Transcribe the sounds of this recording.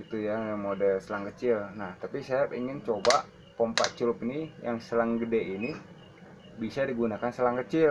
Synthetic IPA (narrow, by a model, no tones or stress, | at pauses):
it̪ujamodəlsəlaŋkət͡ʃɪlnaht̪apisajapiŋɪnt͡ʃoba | pɔmpat̪̚t͡ʃulʊpnijaŋsəlaŋɡədɛʔini | bisadiɡunakansəlaŋkət͡ʃɪl